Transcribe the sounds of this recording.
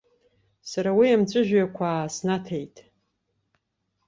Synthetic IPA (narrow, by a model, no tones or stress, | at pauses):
saɾawiamt͡sʷʼɨʒᶣjakʷʰaːsnatʰejtʼ